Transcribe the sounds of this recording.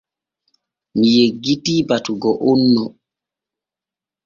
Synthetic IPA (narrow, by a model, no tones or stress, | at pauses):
mijeɡitiːbatuɡɔʔonːɔ